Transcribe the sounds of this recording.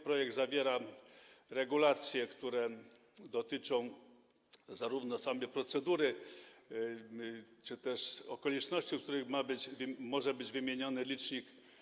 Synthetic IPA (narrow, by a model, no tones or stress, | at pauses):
pɾɔjɛɡ̚d̪zavʲjɛɾa | ɾɛɡulat̪sʲjɛkt̪uɾɛ | d̪ɔt̪ɘt͡ʂɔ̃w̃ | zaɾuvnɔsamjɛpɾɔt̪sɛd̪uɾɘ | t͡ʂɘt̪ɛʂɔkɔlʲit͡ʂnɔɕt͡ɕik̚t̪uɾɘxmabɘd͡ʑvmɔʐɛbɘd͡ʑvɘmʲjeɲɔnɘlʲit͡ʂɲik